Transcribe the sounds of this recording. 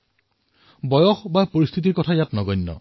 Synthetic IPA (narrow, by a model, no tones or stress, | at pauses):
bɔjɔxbapoɹist̪ʰit̬iɹkɔtʰajatnɔɡɔjnːɔ̰